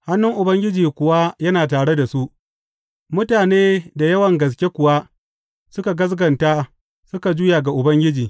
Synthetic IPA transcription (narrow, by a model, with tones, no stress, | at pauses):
ha˦nːʊ˦ŋʔʊ˨bɐ˦ŋɡʲɪ˦d͡ʒiː˨kʷʊ˨wa˦jɐ˦naː˨taː˨ɽe˦da˨su˦ʔ | mʊ˦taː˨neː˦da˨jɐ˦wɐ˨ŋɡɐ˨s̬kʲe˦kʷʊ˨wa˦ | sʊ˦ka˨ɡɐ˦s̬ɡɐ˨nta˦ | sʊ˦ka˨d͡ʒʊ˦jaː˨ɡa˨ʔʊ˨bɐ˦ŋɡʲɪ˦d͡ʒiː˨